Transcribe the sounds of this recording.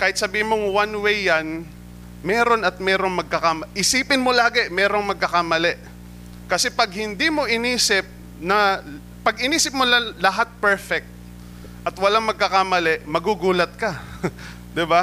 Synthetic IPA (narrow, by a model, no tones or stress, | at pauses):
kaːhɪt̪sɐbiːhɪnmoŋwanwejːɐn | mɛːɾo̞nɐt̪̚mɛːɾo̞ŋmɐɡ̚kɐkamɐʔɪsiːpɪnmolaːɡɛmɛːɾoŋmɐɡ̚kɐkamɐlɛʔ | kɐsɛpɐɡ̚hɪnd̪iːmo̞ʔɪniːsɪp̚ | nɐ | pɐɡʔɪniːsɪp̚molɐlɐɦat̪̚pɛɹfɛk̚t̪̚ | ʔɐt̪wɐlaŋmɐɡ̚kːɐkamɐlɛʔmɐɡuɡuːlɐt̪̚kɐ | d̪ɪba